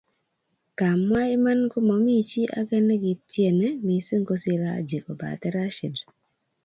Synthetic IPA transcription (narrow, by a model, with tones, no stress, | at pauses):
ka˨mwa˦e˦ma˦nko˦mɔ˨mi˦t͡ʃi˦ʔa̰˦ɡɛ˦ne˦ɡi˨tje˨ne˦mi˨se˦ŋɡo˦si˦ɾa̰˦d͡ʒe˨ko˨ba̰˨t̪ɛ˦ɾa˦ʃi˨d